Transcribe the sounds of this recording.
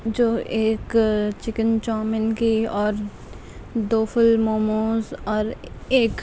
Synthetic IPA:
d͡ʒoːʔeːkt͡ʃɪkənt͡ʃɔːmɪnkiɔːɾ | d̪oːfʰʊlmoːmoːzɔːɾeːk

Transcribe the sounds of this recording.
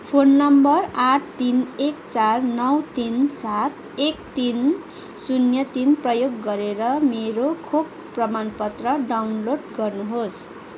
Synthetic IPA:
pʰonːʌmbʌraʈʰt̪inekt͡sarnʌwt̪insat̪ | ekt̪in | sunjʌt̪inprʌjoɡːʌɾeɾʌmeɾokʰub | prʌmanpʌt̪rʌɖawnloɖɡʌrnuɦos

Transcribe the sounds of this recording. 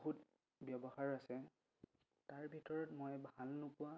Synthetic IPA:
ɦut | bjɔbɔhaɹasɛ | taɹbʱitɔɹɔtmɔjbʱalnʊpʊa

